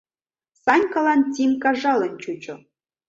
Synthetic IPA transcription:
sɑnʲkɑlɑnt̪ʲimkɑʒɑlˠə̆nt͡ɕut͡ɕŏ

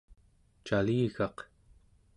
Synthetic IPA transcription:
t͡ʃaliːɣɑq

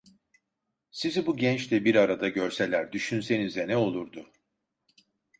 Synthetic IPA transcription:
sizibuɟɛnt͡ʃt̪ɛbiɾaɾad̪aɟøɾse̞lʲæɾd̪yʃynse̞nizd̪ɛnɛo̞lˠuɾd̪ʊ

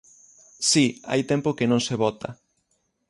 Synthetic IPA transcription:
sia̰jt̪empokenõŋseβɔt̪a̰

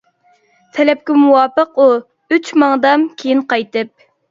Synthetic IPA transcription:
t̪ʰɛlɛp̚kʲɪmuwɑːpəqu | yt͡ʃmɑŋd̪ɑmkʲʰejinqɑjt̪ɨp̚

